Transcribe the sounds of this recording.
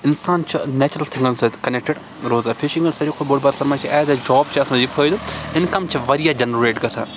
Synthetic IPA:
ɪnsaːnt͡ʃʰɐnɛːt͡ʃɾɐlt̪ʰɪ̃ŋɡɐnsezkɐnek̚ʈeɖ | ɾoːzaːfʰɪʃĩŋɡɐnsɐɾikoboːɽbɐɾsɐɾmaːt͡ʃʰiʔɛːzed͡ʒɔːb̚t͡ʃʰiɐsãːd͡ʒifʰəːjd̪ɪnkɐmt͡ʃʰɐʋɐɾijaːd͡ʒɐnɾeːʈɡɐt̪ʰa̰ː

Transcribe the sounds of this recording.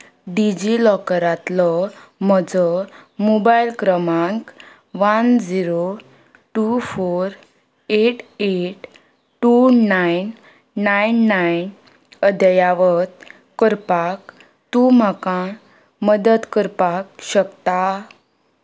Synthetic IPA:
ɖid͡ʑilɔkəɾat̪lɔməd͡zɔmobajlkɾəmãŋk | ʋand͡ziɾo | ʈufoɾ | eʈeʈ | ʈunajnː | ajnːajn | əd̪əjaʋət̪̚ | kəɾpak | t̪um̤akã | məd̪ət̪kəɾpak̚ɕəkt̪a

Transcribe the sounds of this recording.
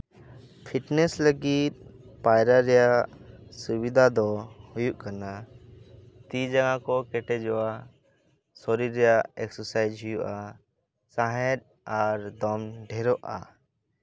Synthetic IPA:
pʰiʈnɛsləɡit̪̚pajɾaɾɛjasubid̪ʱad̪ɔhujuʔkana | t̪id͡ʒaɡãkɔkɛʈɛd͡ʒɔwa | sɔɾiɾːɛjaɛksɔɾsajd͡ʒʱujuʔa | saɦɛd̪̚ | aɾd̪ɔmɖʱɛɾɔʔa

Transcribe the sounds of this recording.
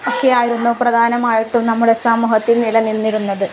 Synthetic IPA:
oːkːeaːjiɾunːuprɐd̪ʱaːnɐmaːjiʈːumnɐmːuɽe̞saːmuːɦɐt̪ːilnilɐninːiɾunːɐðɨ

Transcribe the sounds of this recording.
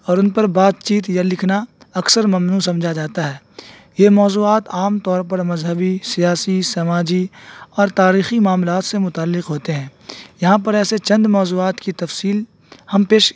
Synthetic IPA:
ɔːɾʊnpɐɾbaːt̪t͡ʃiːt̪jalɪkʰnaɐksəɾmɐmnuːs̬ɐ̃md͡ʒʱad͡ʒaːt̪aɦɛː | jemɔːzuːaːt̪aːmt̪ɔːɾpɐɾmɐzɦəbisijaːsisɐmaːd͡ʒiɔːɾt̪aːɾiːximaːmlaːt̪semʊt̪aːlːɪqɦoːt̪eɦɛ̃ːjɐɦãpɐɾɛːset͡ʃɐ̃nd̪mɔːzuːaːt̪kit̪ɐfsiːl | hɐmpeːʃ

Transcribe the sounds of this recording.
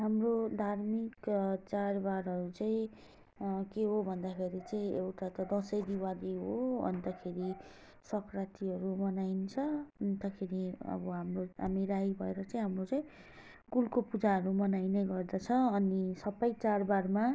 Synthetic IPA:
ɦamrod̪ʱarmikt͡sarbaɾʌɾut͡saĩ | keɦobʱʌnd̪akʰeɾit͡saĩewʈat̪ʌd̪ʌsʌjd̪iwad̪iɦoʌ̰nt̪ʌkʰeɾi | sʌkʰrat̪iɦʌɾumʌnajnt͡sʰʌʌnt̪ʌkʰeɾiʌ̰bʌɦamroa̰miɾajbʱʌeɾʌt͡saĩɦamrot͡saĩ | kulkopud͡zaɦʌɾumʌnajneɡʌrd̪ʌt͡sʰʌːnisʌbʌjt͡sarbarma

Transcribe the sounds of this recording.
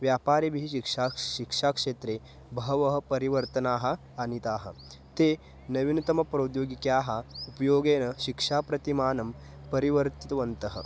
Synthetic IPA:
ʋjaːpaːɾebʱiɦiikʂaʃikʂaːkʂeːt̪ɾeː | bʱɐɦɐʋɐɦɐ̆pɐɾiʋɐɾt̪ɐnaːɦɐ̆ | ɐnit̪aːɦɐ̰ | t̪eː | nɐʋinɐt̪ɐmɐpɾoːd̪joːɡikjaːɦɐupɐjoːɡeːnɐʃikʂaːpɾɐt̪imaːnɐm | pɐɾiʋɐɾt̪i̥t̪ɐʋɐnt̪ɐɦɐ̰

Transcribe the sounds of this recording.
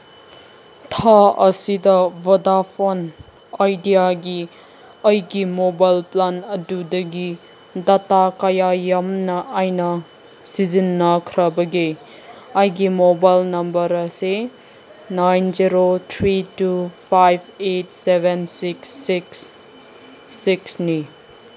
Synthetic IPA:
tʰaɐsidɐvɐdapʰon | ajdijaɡi | ɐjɡimobajlplanɐdudɐɡi | datakɐjajɐmnɐʔajnɐ | sizinːɐkʰɾɐbɐɡe | ɐjɡimobajlnɐmbɐɾɐse | najnziɾot̪ʰɾitupʰajbʱet̚sebensiksːiks | iksni

